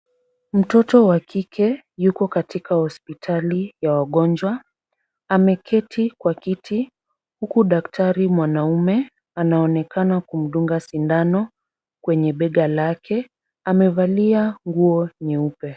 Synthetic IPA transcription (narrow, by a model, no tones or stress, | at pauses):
m̩tɔtɔwakʰikʰɛ | jukɔkatikahɔspitʰalijawaɠɔnd͡ʒwa | amɛkʰɛtʰikwakitʰi | hukuɗaktaɾimwanaumɛ | anaɔnɛkanakum̩ɗuŋɡasindanɔ | kwɛɲɛɓɛɠalakʰɛ | amɛvaliaŋɡuɔniupɛ